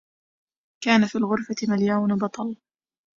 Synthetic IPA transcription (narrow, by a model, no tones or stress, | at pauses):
kaːnafiːlɣʊɾfat̪ɪmaljawnbɑt̪ˤɑl